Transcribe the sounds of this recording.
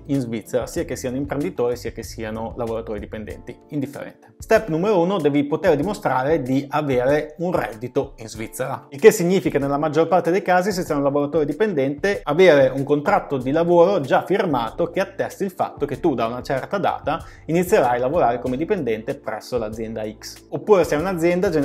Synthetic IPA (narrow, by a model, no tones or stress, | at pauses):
inzvit̪sːeɾasiːakesːiːanoimpɾend̪it̪oːɾisiːakesːianolavoɾat̪oːɾid̪ipend̪ɛ̰nt̪iind̪ifːḛɾɛ̰nt̪e̥st̪ɛpːnumeɾouːnod̪ɛːvipot̪eːɾd̪imost̪ɾaːɾed̪iaveːɾeunrɛ̰d̪ːit̪oinzvit̪sːeɾailkesːiɲːiːfikanelːamad͡ʒːorpart̪ed̪ejkaːzis̬esːiːanolavoɾat̪oːɾed̪ipend̪ɛnt̪eaveːɾeuŋkont̪ɾat̪ːod̪ilavoːɾod͡ʒafirmaːt̪okeat̪ːɛst̪ilfa̰t̪ːok̟et̪ːud̪aunat͡ʃɛrt̪ad̪a̰ːt̪ainit̪sjeɾajlavoɾaːɾekomed̪ipend̪ɛnt̪epɾɛ̰sːolad̪zːjɛnd̪aiksopːuːɾesɛaunad̪zjɛnd̪ad͡ʒe